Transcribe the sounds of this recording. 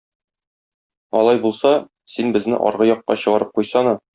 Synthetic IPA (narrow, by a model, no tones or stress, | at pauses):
ɒlˠɑjbulˠsɑ | sinbɘ̆znɘ̰ʔɒ̰ɾʁɤjɒqːɑ̰ɕɤ̆ʁɑɾɤp̚qujsɑnɤ